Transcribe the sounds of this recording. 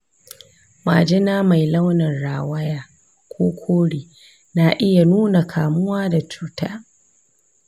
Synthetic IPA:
ma̰˨d͡ʒɪ˦naː˦ma˨jlɐ˦wnɪ˨nɽaː˨wɐ˦jaː˦ | kʷoː˦kʷʰoː˦ɽiː˨ | na˨ʔɪ˦ja˨nuː˦na˨kʰaː˨mʊ˦waː˦da˨t͡ʃuː˦ta̰ː˦

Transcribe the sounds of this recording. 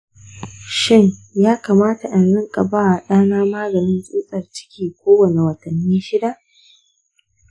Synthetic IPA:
ʃɪ˦˨ŋjaː˦kaː˨maː˦ta˨ʔa˨nzɪ˦ŋkʼa˨ba˦wa˨ɗaː˦naː˦maː˦ɡɐ˨nɪ˦nsʼuː˦sʼɐ˨rt͡ʃɪ̥˦kʲiː˨kʷoː˦wɐ˨ne˨wɐ˨tɐ˨nːiː˦ʃɪ˦da˦ʔ

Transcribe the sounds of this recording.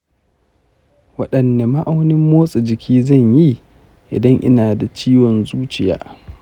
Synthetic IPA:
wɐ˦ɗɐ˨nde˨ma˦ʔa˦wnɪ˦mːoː˦sʼi˨d͡ʒɪ˨kʲiː˦zɐ˦˨ɲji˦ | ʔɪ̰˨dɐ˦ŋʔɪ̰˦naː˨da˨t͡ʃiː˦wɔ˨nzuː˦t͡ʃɪ˨ja̰ː˨˦

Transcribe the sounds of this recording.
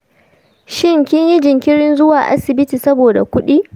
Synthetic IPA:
ʃɪ˦ŋkʲɪ˦ɲji˦d͡ʒɪ˨ŋkʲɪ˦ɽɪ˦nzʊ˦waː˨ʔa̰˦sɪ˨bɪ˦tiː˨sɐ˦boː˨da̰˨kʷʊ˦ɗiː˦

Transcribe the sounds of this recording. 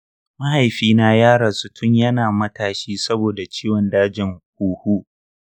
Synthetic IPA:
ma˦ha˨jɸiː˦na˦jaː˦ɽa˨su˦tʰʊ˦ɲjɐ˦naː˨mɐ˦taː˨ʃiː˦sɐ˦boː˨da˨t͡ʃiː˦wɔ˨ndaː˦d͡ʒɪ˨ŋhuː˨hu˦ʔ

